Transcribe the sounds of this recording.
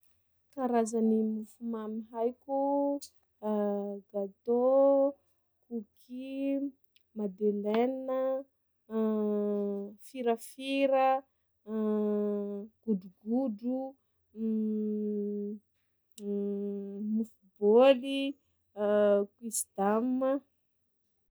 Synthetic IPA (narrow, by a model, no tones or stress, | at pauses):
kaɾazanimufumamiɦajku | ɡ̥at̪o | kukʰi | mad̪elennə | fiɾəfiɾə | ɡ̥uɖ͡ʐuɡuɖ͡ʐu | mufuboli | kwisd̪̥amə